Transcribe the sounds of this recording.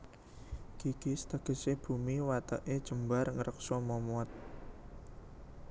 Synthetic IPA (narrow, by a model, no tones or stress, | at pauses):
ɡ̥iɡ̥i̤st̪əɡ̥ə̤seb̥umiwat̪əʔed̥ʒ̥ə̤mbarŋəɾʔək̚sɔmɔmuat̪̚